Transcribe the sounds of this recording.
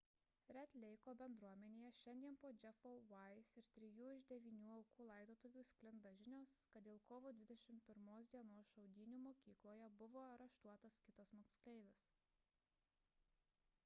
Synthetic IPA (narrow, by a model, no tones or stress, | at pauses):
ɾʲɛt̪ʲlʲɛɪkoːbʲɛnd̪ɾuɔmʲɛnʲeːjɛʃʲɛnʲd̪ʲiɛnpoːd͡ʒʲɛfoʋɐɪsɪɾt̪ʲɾʲɪjuːɪʒd̪ʲɛʋʲiːnʲuːɐʊkuːlˠɐˑɪd̪oːt̪ʊʋʲuːsʲkʲlʲɪnd̪ɐʒʲɪnʲoːskɐt̪d̪ʲɪːlˠkoːʋuːd̪ʲʋʲɪd̪ʲɛʃʲɪmʲpʲɪɾmoːs̬d̪ʲiɛnoːsʃɐʊd̪ʲiːnʲuːmoːkʲiːklˠoːjɛbʊʋoːɾɐʃt̪uɔt̪ɐskʲɪt̪ɐsmoːksklʲɛɪʋʲɪs